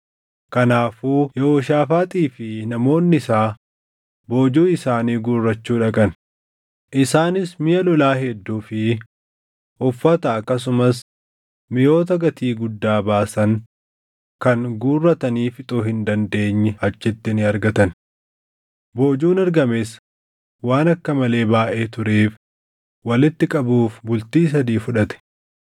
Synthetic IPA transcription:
kɐnaːfuːjɛoːʃaːfaːt̪ʼiːfɪnɐmo̞ːnːɪɪsaː | bo̞ːd͡ʒuːɪsaːniːɡuːrːɐt͡ʃːuːᶑɐkʼɐn | ʔɪsaːnɪsmɪjɐlɔlaːɦɛd̪ːuːfɪ | ʔʊfːɐt̪ɐɐkːɐs̬ʊmɐs | mɪjo̞ːt̪ɐɡɐt̪iːɡʊd̪ːaːbaːsɐŋ | kɐŋɡuːrːɐt̪ɐniːfɪt̪ʼoːɦɪnd̪ɐnd̪e̞ːɲːɛhɐt͡ʃːɪt̪ːɪnɪɐɾɡɐt̪ɐn | boːd͡ʒuːnɐɾɡɐmes | waːnɐkːɐmɐle̞ːbaːʔeːt̪ʊɾeːf | wɐlɪt̪ːɪkʼɐbuːfbʊlt̪iːs̬ɐd̪iːfʊᶑɐt̪ɛ̥

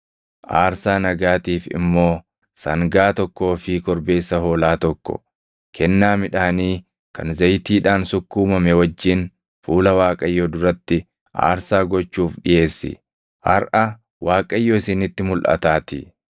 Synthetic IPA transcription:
ʔaːɾsaːnɐɡaːt̪iːfɪ̰mːo̞ː | sɐŋɡaːt̪ɔkːo̞ːfɪkɔɾbe̞ːsːɐɦo̞ːlaːt̪ɔkːɔ̰ | kʰɛnːaːmɪᶑaːniː | kɐnzɐjt̪iːᶑaːnsʊkːuːmɐmɛwɐd͡ʒːɪn | fuːlɐwaːkʼɐjːɔːd̪ʊɾɐt̪ːɪ | ʔa̰ːɾsaːɡɔt͡ʃːuːfᶑɪje̞ːsːɪ̰ | ʔɐ̰ɾʔɐ | waːkʼɐjːoːɪsɪnɪt̪ːɪmʊlʔɐ̰t̪aːt̪ɪ̰

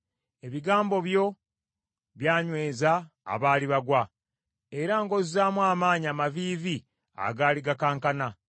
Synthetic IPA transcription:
e̞βiɡaːmbo̞βjo̞ | βjaːɲwe̞ːza̰ː | βaːliβaɡwa | e̞ɾaŋɡo̞zizaːmwaːmaːɲamaviːvi | a̰ɡaːliɡakaːŋkana

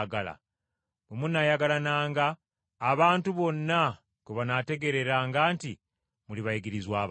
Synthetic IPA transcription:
ɡala̰ | βomunajaɡalanaːŋɡaː | βaːntuβo̞nːa | koβanate̞ɡe̞ɾe̞ɾaːŋɡaːnti | muliβaiɡiɾizwaːβ

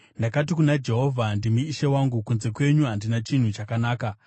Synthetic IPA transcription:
ndakatikunad͡ʒe̞ɦo̞vʱandimiːʃewaŋɡukunze̞kwe̞ɲuɦandinat͡ʃin̤ut͡ʃakanaːka

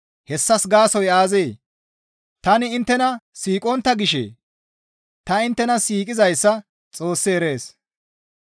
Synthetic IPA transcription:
hɛsːɐsɡaːsɔjaːzeː | t̪ɐnɪɪnt̪ːɛnɐsiːkʼɔnt̪ːɐɡɪʃḛː | t̪ɐɪnt̪ːɛnɐsiːkʼɪzɐjsːɐ | t͡sʼo̞ːsːɪɛɾe̞ːs

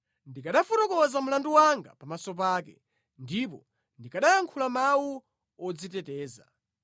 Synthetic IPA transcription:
ndikaɗafutɔkɔwazamulanduwaŋɡa̰pamasɔp̬aːkɛ̰ | ndipɔ | ndikaɗajaŋkʰulamawu | ɔd͡zitɛtɛːza̰

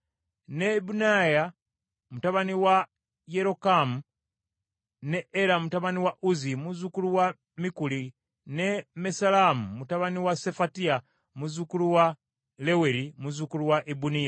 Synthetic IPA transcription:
nebunaja | mutaβaniwa | jeɾokamu | neːɾamutaβaniwaʔuzimuzukuluwa | mikuli | nemesalamumutaβaniwasefatia | muzukuluwa | leweɾimuzukuluwaʔibunija

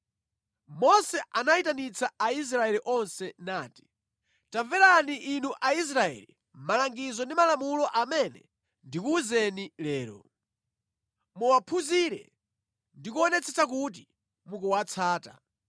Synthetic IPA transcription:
mɔsɛʔanaitanit͡sʰaais̬ɾaɛliʔɔnsɛnaːti̥ | taɱvɛɾaniʔːnuʔais̬ɾaɛ̰li | malaŋɡizɔndimalamulɔʔamɛnɛ̰ | ndikuzɛnilɛːɾɔ̰ | muwapʰuziɾɛ̰ | ndikuɔnɛt͡sʰɛt͡sʰak̬ut̬i | mukuwat͡sʰaːta̰

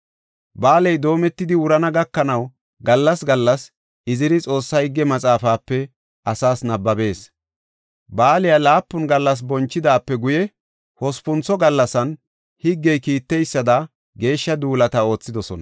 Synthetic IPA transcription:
baːlɛjd̪o̞ːmɛt̪ːɪd̪ɪwʊɾɐnɐɡɐkːɐnɐw | ɡɐlːɐsɡɐlːɐs | ɪzɪɾɪt͡sʼo̞ːsːɐhɪɡːɛmɐt͡sʼaːfaːpːɛ | ɐsaːsnɐbːɐbe̞ːs | baːlɪjalaːpːʊnɡɐlːɐs̬bɔnt͡ʃːɪd̪aːpːɛɡʊjɛ | hɔspʊnt͡sːɔɡɐlːɐsɐn | hɪɡːɛjkiːt̪ːɛjsːɐd̪ɐ | ɡe̞ːʃːɐd̪uːlɐt̪ɐo̞ːt͡sːɪd̪ɔsɔnɐ

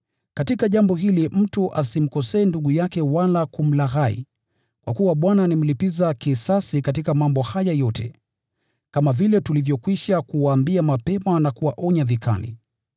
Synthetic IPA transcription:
katikaʄambɔɦilim̩tuʔasim̩kɔsɛːnduɠujakɛwalakum̩laɣaḭ | kwʔa̰kuwaɓwananim̩lipizakisasikatikamambɔhajajɔtɛ̰ | kamavilɛtulivjɔkwiʃakuwaːmbiamapɛmanakuwaʔɔɲavika̰lḭ

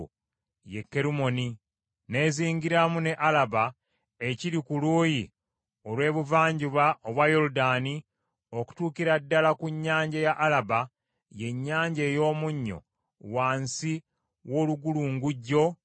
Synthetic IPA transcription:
jekːe̞ɾumo̞ni | ne̞ːziːŋɡiɾamune̞ʔalaβa | e̞ciɾikuluːji | olwe̞ːβuvaːɲɟiβaʔoβwajo̞ludaːni | o̞ku̥tuːkiɾadːalakuɲːaːɲɟajaʔːlaba | je̞ɲːaːɲɟe̞ːjo̞ːmuɲːo̞̰ | waːnsi | wo̞ːluɡuluːŋɡuɟːo̞

